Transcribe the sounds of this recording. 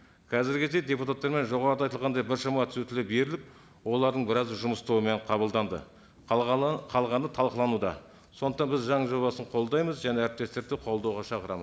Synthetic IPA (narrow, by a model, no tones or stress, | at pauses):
kʲʰɑzɪɾɡʲɪd̪ejd̪ʲe̞put̪at̪ːɑɾme̞nʒo̞ʁɑɾəd̪ɑjt̪əlˠʁɑnd̪ɑjbɪɾʃɑmɑt̪ʰʏ̥sut̪ɪlɪbe̞ɾɪlɪp̚ | wo̞lˠɑɾd̪əɴbɪɾɑzʒʊməst̪owəme̞ɴqʰɑbəlˠd̪ɑnd̪ə̰ | qʰɑlˠʁɑnət̪ʰɑlˠqəlˠɑnud̪ɑ̰ | so̞nd̪ət̪ɑnbɪzʒɑɴəʒo̞βɑsəɴqʰo̞lˠd̪ɑjməzʒæneæɾɪp̚t̪e̞st̪e̞ɾd̪ɪqʰo̞lˠd̪ɑwʁɑʃɑqəɾɑməz